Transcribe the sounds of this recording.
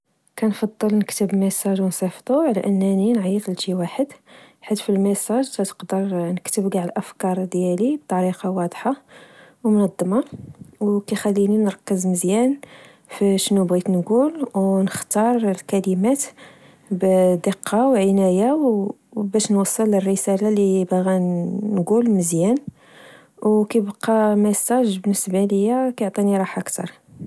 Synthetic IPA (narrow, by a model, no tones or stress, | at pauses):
kænfɑd̪ˤːəlnəkt̪əbməsɑʒwnsˤɑft̪ˤuʕlæ̰ʔənːæninʕijət̪ˤlʃiwaħəd̪ | ħat̪ːfilməsɑʒt̪æt̪ə̥qd̪əɾˤnəkt̪əbɡaʕəlʔəfkɑɾˤd̪jælib̚t̪ˤɑɾiqɑwɑd̪ˤħɑ | wmnɑd̪ˤːəmɑwkæxælːininəɾˤɑkːəzməzjæn | fiʃnubɣit̪nɡulwnəxt̪ɑɾˤlkælimæt̪ | bd̪əqːɑwʕənæjaw | bæʃnwɑsˤːələrːəsælalibæɣænɡulməzjæn | wkæjbqːɑmæsæʒbənːəsbaləjːækæjoʕt̪ˤiniɾˤɑħʔəkt̪ɑ̰ɾˤ